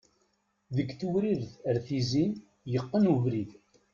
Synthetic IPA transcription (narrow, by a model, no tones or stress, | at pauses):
ðəɡθuwɾiɾθəɾθizin | jəqːənuvɾið